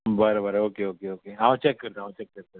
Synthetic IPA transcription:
bəɾbəɾoːkeoːkeoːkeãːt͡ʃɛkːɐɾt̪aːɦũt͡ʃɛkːɐɾt̪ã

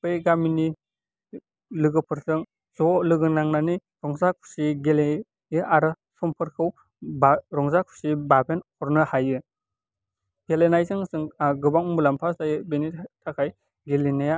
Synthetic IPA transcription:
pejɡamini | lɯɡɯpʰɯɾsɯŋ | zɔlɯɡɯnaŋnani | ɾɔŋzakʰu̥siɡele | jɯʔaɾɯ | sɔmpʰɯɾkʰɯw | baɾɔŋzakʰu̥sibabenɔɾnɯhajɯ | ɡelenajzɯŋsɯŋɡɯbaŋmulampʰastajɯbenitʰakʰaj | ɡelinaja

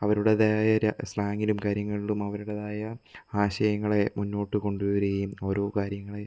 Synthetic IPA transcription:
ɐʋɐɾuɽeðaːjɐɾslaːŋilumkaːɾjɐŋːɐɭiɭumɐʋɐɾuɽɐðaːjɐaːɕɐjɐŋːɐɭe̞munːo̞ːʈːɨko̞ɳɖuʋʋɐɾɐɣɐjumo̞ːɾo̞ːkaːɾjɐŋːɐɭe

